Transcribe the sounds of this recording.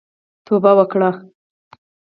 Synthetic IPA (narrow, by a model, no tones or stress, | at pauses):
t̪obawəkɽa